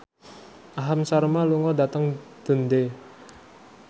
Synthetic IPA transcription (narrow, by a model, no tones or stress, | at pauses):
ʔaɦamsaɾmaluŋɔdat̪əŋd̪̥ə̤nd̪e